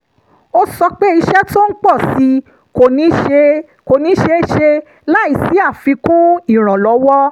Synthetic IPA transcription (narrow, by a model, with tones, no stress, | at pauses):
o˦sɔ˧k͡pe˦i˧ʃɛ˦to˦n̩˦k͡pɔ˦˨si˧˦ | ko˨nĩ˨˦ʃe˧ | ko˨nĩ˨˦ʃe˧˦ʃe˧ | la˦i˨si˦a˦˨fi˨˧˦kũ˦i˦˨ɾ̃ã˨lɔ˨˦wɔ˦